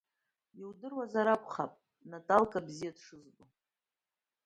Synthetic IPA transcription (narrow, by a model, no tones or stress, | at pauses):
iwdɨrwazaɾakʷʰχa̰pʼ | natʼalkʼabzijadʂɨzbo